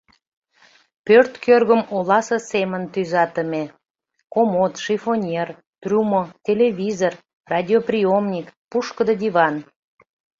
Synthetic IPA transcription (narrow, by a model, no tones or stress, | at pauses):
pørt̪kørɣəmolɑsə̆semənt̪yzɑt̪əme | komot̪ʃifonʲer | t̪rʲumot̪ʲelevʲizor | rɑd̪ʲioprʲiomnʲikpuʃkəd̪əd̪iβɑn